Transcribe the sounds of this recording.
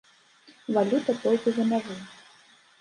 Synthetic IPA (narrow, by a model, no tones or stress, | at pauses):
valʲut̪ɐt̪ɔlʲkʲizɐnavɨ